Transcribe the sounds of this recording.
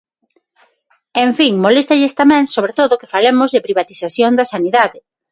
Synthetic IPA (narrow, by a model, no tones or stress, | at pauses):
ẽɱfiŋmolest̪aʎest̪amɛ̃ŋsoβɾet̪oðokɪ̥falemozðepɾiβat̪iθaθjond̪ɐsaniðaðɪ